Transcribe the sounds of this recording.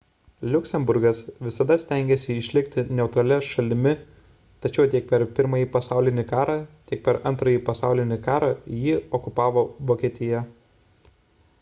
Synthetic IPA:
lʲʊkʲsʲɛmbʊɾɡɐsʋʲɪsɐd̪ɐsʲt̪ʲæˑŋʲɡʲɛsʲɪɪʃʲlʲɪkt̪ʲɪnʲɛʊt̪ɾɐlʲɛʃɐlʲɪmʲɪ | t̪ɐt͡ʃʲɛʊt̪ʲiɛk̚pʲɛɾpʲɪɾmɐjiːpɐsɑˑʊlʲɪnʲɪkɑːɾɑːt̪ʲiɛk̚pʲɛɾɐnt̪ɾɐjiːpɐsɑˑʊlʲɪnʲɪkɑːɾɑːjiːɔkʊpɑːʋoːʋoːkʲiːt̪ʲɪjɛ

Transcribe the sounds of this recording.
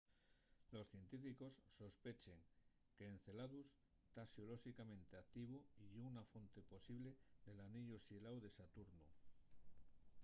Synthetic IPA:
lo̞sθje̞nt̪ifiko̞sːo̞spe̞t͡ʃe̞ŋ | keːn̟θe̞laðus | t̪asjoloʃikamẽnt̪e̞ak̚t̪iβ̞uiʝeunafo̞nt̪e̞po̞siβ̞le̞ðe̞laniʎosjelawðe̞sat̪uɾnu

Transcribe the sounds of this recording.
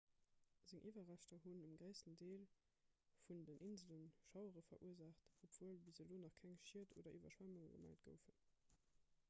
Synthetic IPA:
z̥əŋʔiːvɐʁæʃtɐɦunəmɡʁəɪstəndeːl | fundənʔinzələnʃɑʊəʁəfɐ̰ʔuəzaχtopv̥uəlbizəloːnɑχkʰæŋʃiətʰo̰ːdɐʔyvɐ̰ʃwæmuŋɡə̰mæ̰ɪtɡ̥ə̰ʊfən

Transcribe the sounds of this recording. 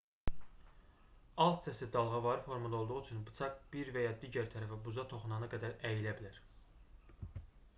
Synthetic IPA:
ɑlˠt̪sæsid̪ɑlˠʁɑvɑɾɯfo̞ɾmɑnd̪o̞lˠd̪uʁuyt͡ʃʰynbɯ̥t͡ʃ̪ʰɑkb̥iɾvæjɑd̪iːɟæɾt̪ʰæɾæfæbuzɑt̪ʰo̞χunɑnɯɡæd̪æɾæjilæbilæɾ

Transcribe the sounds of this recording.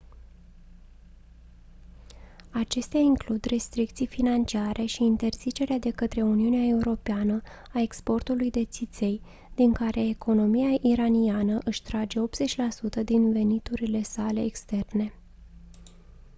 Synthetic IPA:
at͡ʃe̞st̪eaiŋklud̪re̞st̪ɾik̚t̪sijfinant͡ʃiaɾʔe̞ʃiːnt̪e̞rz̥it͡ʃe̞ɾead̪e̞kət̪ɾe̞uniuneae̞uɾo̞peanə | ae̞kspo̞rt̪ulujd̪e̞t̪sit̪se̞j | d̪̥iŋkaɾʔe̞ːkʰo̞no̞mijaʔiɾanianəʔɨʃt̪ɾad͡ʒe̞o̞p̚t̪z̥e̞t͡ʃʲlasut̪əd̪inve̞nit̪uɾile̞sale̞ːkst̪e̞rne̞

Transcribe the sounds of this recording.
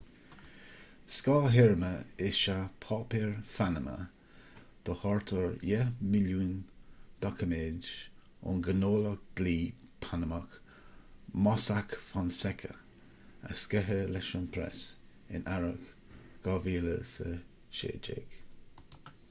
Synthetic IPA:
skɑːɦɛɹməɪʃapʰɑːpiɹfanəmə̰ | d̪̥əhɔɹt̪ʰəɹjɛmɪljuːnd̪̥ɔkʰəmeːd͡ʒ | ʊ̰nɡənoːləkɡ̥liːpʰanəmək | mɔsakfɔnsɛkʰə̰ | a̰skɛɦəlɛʃənpʰɾɛ̰s | ɪ̰nʔaɹək | ɡ̥ɑviːlə̰sə | ʃḛːd͡ʒḛːɡ̥

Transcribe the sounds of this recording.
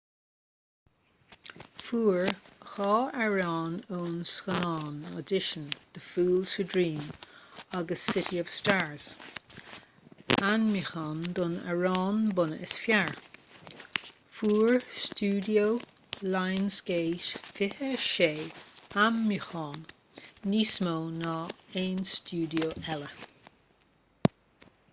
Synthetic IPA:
fuːɹxɑːɛɹɑːnoːnsxənɑːnə̰dɪʃənd̪̥əfuːlsədɹĩːm | aɡəsːɪtiɔv̥staːɹz | anmixɔːnd̪ʊnə̰ɹɑːnbʊnəʔɪsfjaɹ | fuːɹstuːdio | lajnsɡeːʃfɪhəʃeːammixɑːnː | iːsmoːnɔẽːnstuːdioːɛlə

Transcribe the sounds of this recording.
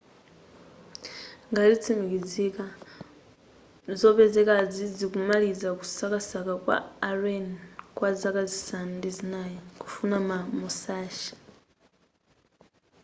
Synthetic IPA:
ŋɡazit͡sʰimikid͡zika | zopezɛkad͡zid͡zikumalizaku̥sakasakakwa̰ːrenkwazakazisandizinajiku̥funamamusaːʃi̥

